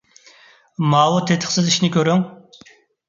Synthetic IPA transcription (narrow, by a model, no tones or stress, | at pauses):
mɑːwut̪ʰet̪ʰə̥χsɨziʃnɪkʲøɾyŋ